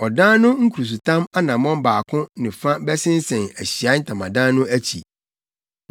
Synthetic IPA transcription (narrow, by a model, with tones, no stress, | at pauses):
ɔ˨dãː˦nʊ̃˦ŋ̩˦kʰu˨ɾu˨s̬u˨tʰã˦ma˦nã˨mɔ̃˦mbaː˨kʰʊ̃˦nɪ̃˨fã˦bɛ˦sɪ̃˦n˦sɛ̃˨næ˨ɕi˨a˨˦n̩˦tʰã˨mã˨dãː˦nʊ̃˦æ˦t͡ɕʰḭ˨